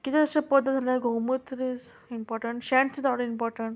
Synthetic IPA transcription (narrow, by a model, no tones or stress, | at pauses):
kit̪eəsapəd̪ːət̪d͡zalaɡʱowmət̪ɾid͡zimpɔɾʈəɳʈɕɛ̃ɳʈsid͡zaʋɽəimpɔɾʈəɳʈ